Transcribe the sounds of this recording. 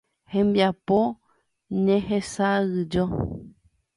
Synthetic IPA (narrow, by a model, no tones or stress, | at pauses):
hẽmbiapo | ɲẽɦesaɨd͡ʒo